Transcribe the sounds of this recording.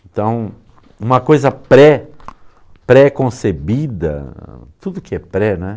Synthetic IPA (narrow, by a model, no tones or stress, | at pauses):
nt̪ɐ̃w̃ | ũmɐkojzɐpɾɛ | pɾekõsebid̪ɐ̰t̪ud̪ʊkɪɛpɾɛnɛ